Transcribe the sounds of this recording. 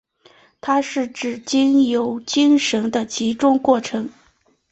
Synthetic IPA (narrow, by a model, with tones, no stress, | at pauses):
t̪ʰa˥ʂɻ̩˥˩ʈ͡ʂɻ̩˨˩t͡ɕi˥ŋjo˧˥ʊt͡ɕi˥ŋʂə˧˥ŋd̪ə˧t͡ɕi˧˥ʈ͡ʂʊ˥ŋkwɔ˥˩ʈ͡ʂʰɤ˧˥ŋ